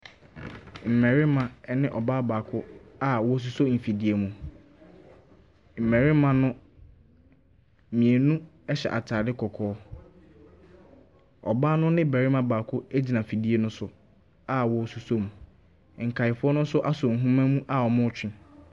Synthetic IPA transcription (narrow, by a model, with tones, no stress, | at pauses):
m̩˨mɛ̃˨ɾɪ˦mã˨˦nɪ̃˦ʔɔ˨baː˦baː˨kʰʊ˦a˦wɔ˦s̬u˨so˦˨m̩˨fi˨di˨e˨mũ˨ | m̩˨mɛ̃˨ɾɪ˦mã˨nʊ̃˦ | mĩ˨e˨nũ˦ | ɛ˦ɕɛ̰˨ʔa̰˨tʰaː˨dɪ˦kʰɔ˨kʰɔː˨˦ | ɔ̰˨baː˦nʊ̃˦nɪ̃˦bæ˨ɾɪ˦mã˦baː˨kʰʊ˦æ˦d͡ʑi˨nã˨fi˨di˦e˦nʊ̃˦sʊ˨ | a˦wɔ˦˨su˨so˦mũ˨ | ŋ̩˨kʰa˨ɪ˨fʊ˦ɔ˦nʊ̃˦sʊ˦ʔa˦sɔ˨ŋ̩˨ɦũ˦mã˦mũ˦ʔa˦ɔ˨mʊ̃˦t͡ɕᶣɪ̃˦